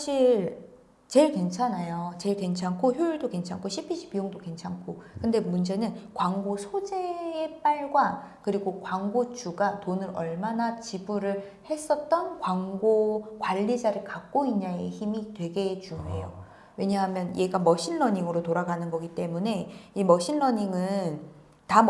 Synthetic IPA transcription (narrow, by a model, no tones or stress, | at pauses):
aɕʰiɾ | t͡ɕe̞ɭke̞nt͡ɕʰanajot͡ɕe̞ɭke̞nt͡ɕʰankʰoçjoiɭdoke̞nt͡ɕʰaŋkʰoɕʰipʰiɕʰi̥bioŋdoke̞nt͡ɕʰankʰokɯnde̞mund͡ʑe̞nɯnkwaŋɡosʰod͡ʑe̞ep͈aɭɡwakɯɾiɡokwaŋɡot͡ɕuɡatonɯɾʌɭmanat͡ɕibuɾɯɭ | he̞s͈ʌt̚t͈ʌnkwaŋɡokwaʎːid͡ʑaɾɯɭkak̚k͈oiɲaeçimitwe̞ɡe̞t͡ɕuŋejo | we̞ɲaɦamjʌnje̞ɡamʌɕʰinːʌɲiŋɯɾotoɾaɡanɯnɡʌɡit͈e̞mune̞imʌɕʰinːʌɲiŋɯn | ta